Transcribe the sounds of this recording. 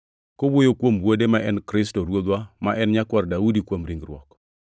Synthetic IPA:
kowojokwombwodemaʔɛnkɾɪstoɾwod̪wamaʔɛnɲakwaɾdaudikwomɾiŋɡɾwɔ̰k

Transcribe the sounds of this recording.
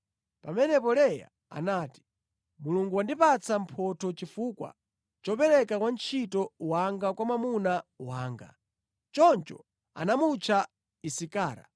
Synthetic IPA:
pamɛnɛpɔlɛja̰ | a̰naːti̥ | muluŋɡuwandipat͡sʰam̩pʰɔtʰɔt͡ʃifuːkwa̰ | t͡ʃɔpɛɾɛkakwant͡ʃʰitɔwaŋɡakwamamunawaːŋɡa̰ | t͡ʃɔnt͡ʃɔ̰ | a̰namut͡ʃʰa | isikaːɾa̰

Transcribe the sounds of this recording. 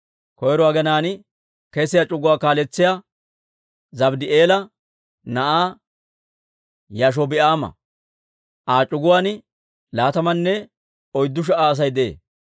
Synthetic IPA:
kɔjɛɾɔaːɡɛnaːn | kɛsɪjat͡ʃʼʊɡʊwaːkaːlɛt͡sːɪja | zɐbd̪ɪeːlɐ | nɐʔaː | jaʃ̬ɔbɪʔaːmɐ̰ | ʔaːt͡ʃʼʊɡʊwaːn | laːt̪ɐmɐnːɛ | ɔjd̪ːʊʃ̬ɛʔaːs̬ɐjd̪ḛː

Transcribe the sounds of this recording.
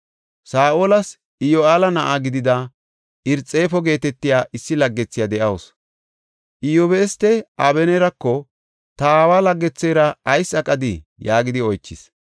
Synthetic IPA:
saːʔoːlɐs | ɪjɔaːlɐnɐʔaɡɪd̪ɪd̪ɐ | ɪɾt͡sʼːe̞ːfɔɡe̞ːt̪ɛt̪ːɪjaːʔɪsːɪlɐɡːɛt͡sːɪjad̪ɛʔɐws | ʔɪjɔbeːst̪ːɛʔɐbɛnɛɾɐkːɔ | t̪ɐaːwaːlɐɡːɛt͡sːeːɾɐɐjsɐkʼɐd̪ɪjaːɡɪd̪ɪɔjt͡ʃːɪs

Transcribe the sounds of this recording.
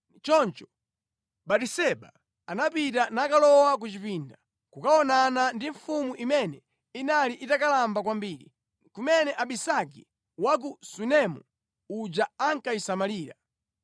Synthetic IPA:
t͡ʃɔnt͡ʃɔ̥ | ɓaɗisɛɓa | anapitanakalɔwak̬ut͡ʃipinda | kukaɔnanandiɱfumuʔimɛnɛ | inaliʔitakalambak̬wambiːɾḭ | kumɛnɛʔaɓisaki | wak̬usunɛmṵ | ud͡ʒaaŋkaisamaliːɾa

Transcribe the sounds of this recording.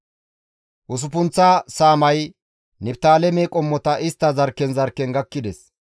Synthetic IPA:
ʔʊs̬ʊpʊnt͡sːaːsaːmɐj | nɪp̚t̪aːlɛmɛkʼɔmːɔt̪ɐʔɪst̪ːɐzɐɾkːɛnzɐɾkːɛnɡɐkːɪd̪ɛs

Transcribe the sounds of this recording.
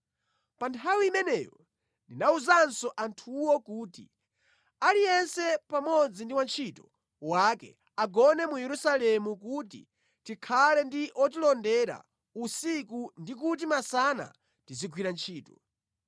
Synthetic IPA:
pantʰawiimɛnɛːjɔ | ndinauzansɔʔantʰuwɔkuːtḭ | alijɛnsɛpamɔd͡zindiwant͡ʃʰitɔ̥ | wakɛ̰ | aɡɔnɛmujɛɾusalɛmukutḭ | tikʰalɛndiʔɔt̬ilɔndɛɾa̰ | usikundik̬ut̬imasana̰ | tiziɡwiɾant͡ʃʰiːtɔ

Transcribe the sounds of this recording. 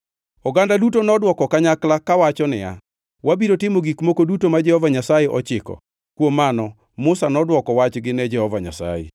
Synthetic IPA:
ɔɡandadutonɔdwɔkɔkaɲaklakawat͡ʃɔnɪa̰ | wabiɾotɪmoɡikmokodutomad͡ʒɛhɔvaɲasajɛʔɔt͡ʃɪkɔ̰ | kwomːanɔ | mʊsanɔdwɔkɔwat͡ʃɡɪnɛd͡ʒɛhɔvaɲa̰sa̰jḛ

